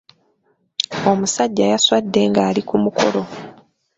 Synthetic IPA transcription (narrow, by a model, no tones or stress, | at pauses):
o̞musaɟːajaswadːe̞ŋɡaːlikumukʰo̞̰lo̞